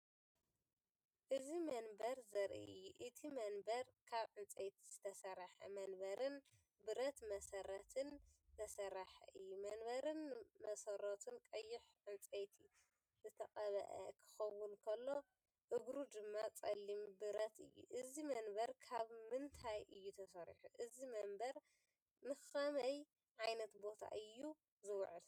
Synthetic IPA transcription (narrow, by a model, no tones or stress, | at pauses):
ʔɨzimɐnbɐɾzɐɾʔḭɨjːuʔɨt̪ʰimɐnbɐɾkʰaβʕɨnt͡sʼejt̪ʰiz̥ɨt̪ʰɐsɐɾaħɐ̰mɐnbɐɾɨn | bɨɾɐt̪mɐsɐɾɐt̪ʰɨnzɐsɐɾaħɐ̰ʔɨjːumɐnbɐɾɨnmɐsɐɾot̪ʰɨnkʼɐjːɪħʕɨnt͡sʼejt̪ʰi | zɨt̪ʰɐkʼɐβɐ̰ʔɐ̰kʰɨ̥xɐwːʊnkʰɐlːo̞ | ʔɨɡɾud̪ɨmːat͡sʼɐlːimbɨɾɐt̪ɨ̰jːṵʔɨzimɐnbɐɾkʰaβmɨnt̪ʰajʔɨjːut̪ʰɐsɐɾḭħuʔɨzimɐmbɐɾ | mɨxɐmɐj | ʕajnɐt̪bo̞t̪ʰa̰ʔɨjːu | zɨwʕɨl